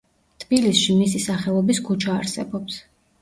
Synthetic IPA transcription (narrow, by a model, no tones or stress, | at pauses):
t̪ʰb̥ilisʃimisisaχɛlˠɔbiskʰut͡ʃʰaːɾsɛ̰bɔps